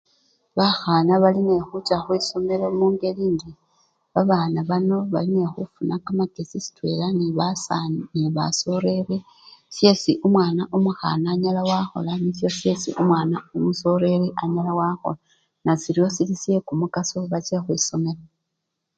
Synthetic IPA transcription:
βaxanaβaline̞xut͡ʃaxwiːso̞melemuːŋɡe̞liːndi | βaβaːnaβano̞βaline̞xufunakamakesisi̥twe̞ːlaniβasanniβa̰so̞ɾe̞ɾe | sje̞ːsiʔumwaːnaʔumuxa̰naːɲalawaxo̞̰lanisjo̞sje̞sḭʔumwaːnaumuso̞ɾe̞ɾiʔaɲalawaxo̰la | nasiɾio̞silisje̞kumukasoβat͡ʃexwiːso̞me̞la

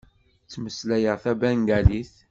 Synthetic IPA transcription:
t͡sːməslæjəʁθæbænɡæliθ

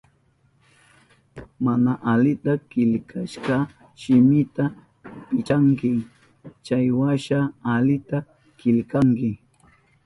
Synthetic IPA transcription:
manaʔalɪt̪akɪlkʰaʃkɑ | ʃɪmɪt̪a | pɪt͡ʃaŋkɪ | t͡ʃajwaʃaalɪt̪a | kɪlkaŋkɪ

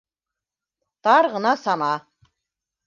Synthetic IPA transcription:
t̪ɑɾʁɤ̆nɑsɑnɑ

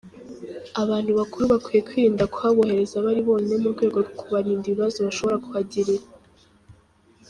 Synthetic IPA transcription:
aβaːn̥huβakuɾuβakwije̞kwiɾːndakuhaβohe̞ɾe̞zaβaɾiβo̞ːnemuɾɡweːɡo̞ɾokuβaɾiːndiβiβazoβaʃo̞βo̞ɾakuhaɟiɾiɾa

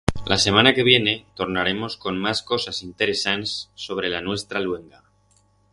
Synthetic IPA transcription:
lʔase̞mãnake̞β̞je̞ne̞t̪o̞ɾnaɾe̞mo̞sko̞nmasko̞sasint̪e̞ɾe̞sansːo̞β̞ɾe̞lanwe̞st̪ɾalwe̞ŋɡa

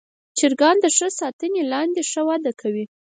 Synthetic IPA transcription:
t͡ʃɪɾɡɑnd̪əʂəsɑt̪ənelɑnd̪eʂəwɑd̪akʰawi

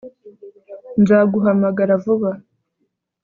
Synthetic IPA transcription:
nzaɡuɦamaɡaɾavuβa

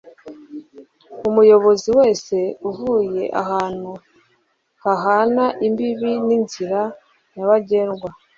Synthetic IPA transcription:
umujo̞βo̞ziwe̞ːse̞uvuje̞ʔa̰haːn̥hu | haɦaːnaʔimbiβininziɾa | jaβaɟe̞ːnɡwa

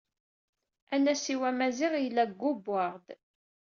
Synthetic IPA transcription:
ænæsiwæmæziʁjlːæɡːʊbːaʁd̪

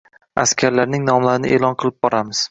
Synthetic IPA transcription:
askʲʰaɾlaɾnɪŋnɒmlaɾɪnɪ̰ʔelˠɒnqʰɨlˠɪb̚bɒɾamɪz̥

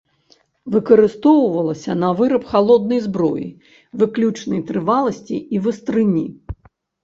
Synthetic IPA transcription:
vɨkɐɾɨst̪ɔwvɐlˠɐsʲɐnɐvɨɾɐpxalˠɔd̪̚nɐjzbɾɔjḭ | vɨklʲut͡ʂnɐjt̪ɾɨvalˠɐsʲt͡sʲiivɨst̪ɾɨnʲḭ

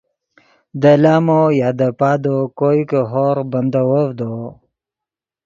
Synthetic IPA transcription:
d̪əlaːmojaːd̪əpaːd̪okoikəɦoɾbənd̪awovd̪o

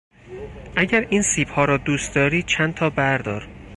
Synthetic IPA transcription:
ʔæɟæɾiːnsiːbhɒːɾɒːd̪uːst̪̚d̪ɒːɾi̥ːt͡ʃʰænt̪ʰɒːbæɾd̪ɒːɾ

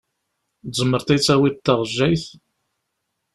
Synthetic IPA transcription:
zˤəmːəɾt̪it͡sːæwit̪ːɑʁʒːæjθ

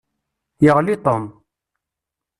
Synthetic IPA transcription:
jəʁlit̪ˤom

